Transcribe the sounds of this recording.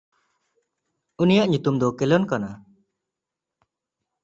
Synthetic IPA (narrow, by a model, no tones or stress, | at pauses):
unijaʔɲut̪umd̪ɔkɛlɔnkana